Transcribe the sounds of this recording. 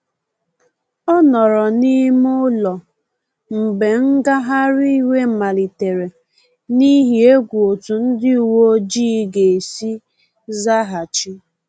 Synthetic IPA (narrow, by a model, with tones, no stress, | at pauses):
ɔ˦nɔ˨ɾɔ˨ni˦mʊ˦lɔ˨ | m̩˨be˨ŋ̩˦ɡa˦ɦa˦ɾi˦i˦we˦˨ma˨li˨te˨ɾe˨ | ni˦ɦi˨e˦ɡʷu˨o˨tu˨n̩˦dɪ˦u˨wo˦d͡ʒiː˦ɡe˨e˨si˦ | za˦ɦa˨t͡ʃi˦